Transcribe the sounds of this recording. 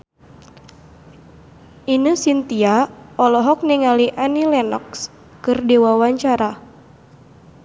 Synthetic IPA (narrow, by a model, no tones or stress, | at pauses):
ʔinəsint̪iaɔlɔɦɔk̚niŋaliʔanilɛnɔks | kɨrdewawaɲt͡ʃaɾa